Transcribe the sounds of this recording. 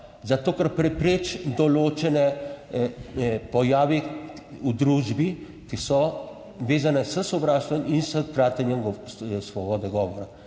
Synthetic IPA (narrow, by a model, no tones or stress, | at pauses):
zat̪oːkaɾpɾɛpɾeːt͡ʃd̪ɔloːt͡ʃɛnɛ | pɔjaːʋi | ud̪ɾuːʒbi | kisɔ | ʋeːzanɛsəsɔbɾaːʃt̪ʋɔminsəkɾaːt̪ɛnjɛmɡsʋɔbɔd̪ɛɡɔʋɔɾa